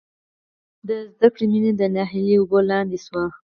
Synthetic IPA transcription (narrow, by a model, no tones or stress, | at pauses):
d̪əzd̪akɽimined̪ənɑɦiliʊbolɑnd̪eswa